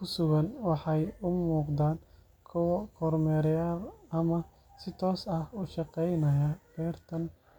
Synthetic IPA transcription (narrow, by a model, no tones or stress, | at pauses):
kʰʊsʊɣɐnwɑħɑjʊmuːqd̪aːn | kʰʊwɐkʰɔːrmɛːɾjaːrɐmɐ | sɪt̪ʰɔːsɐhʊʃɑqɛjnɐjɐb̥ɛːrt̪ʰɐn